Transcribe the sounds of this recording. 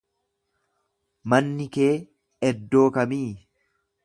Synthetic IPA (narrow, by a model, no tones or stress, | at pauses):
mɐnːɪke̞ː | ɛd̪ːo̞ːkɐmiː